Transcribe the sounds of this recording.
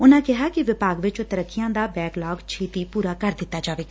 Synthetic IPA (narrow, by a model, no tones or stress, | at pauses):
ʊnãːkɪɦaːkɪʋɪpaːɡʋɪt͡ʃt̪əɾəkːɪjãːd̪aːbɛːklaːɡt͡ʃʰeːt̪iːpuːɾaːkəɾd̪ɪt̪ːaːd͡ʒaːʋeːk